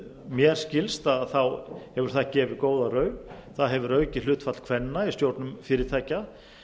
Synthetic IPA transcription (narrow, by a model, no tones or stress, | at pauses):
mjɛɾ̥scɪlst̪aðθawhɛvʏɾ̥θacɛːvɪkoːwðarœɥnθaðɦɛvʏɾœɥcɪl̥ʏːt̪fat̪kʰvɛnːaist̪jowɾt̪nʏmfɪːɾɪɾt̪ʰajca